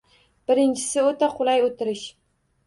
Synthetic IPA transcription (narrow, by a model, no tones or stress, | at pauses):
b̥ɪɾɪnt͡ʃʰɪ̥sɪot̪ʰaqʰʊlˠajot̪ʰɪɾɪʃ